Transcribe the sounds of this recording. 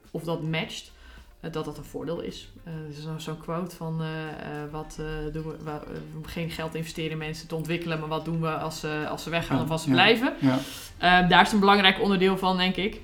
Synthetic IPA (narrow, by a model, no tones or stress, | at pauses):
ɔfdɔtmɛt͡ʃt | dɔtdɔtənfʊ̰ːdɪːlˠɪ̰sssoːnkʰʋowtfɔn | ʋɔtdunəmχejnχɛlˠtɪ̃nvəstɪːɾəənmɛnsətəɔntʋɪkələmaɹʋɔt̚dunʋəɑsəɑ̰səʋɛxaːnɔfɔsəblɛjvə | ʔədaːɪsətənbəlɑŋrɛjkɔndərdɪːlˠfɔndɛŋkɪk